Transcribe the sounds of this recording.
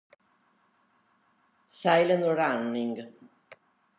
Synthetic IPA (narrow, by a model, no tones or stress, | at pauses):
sajlənɔɾanːiŋɡ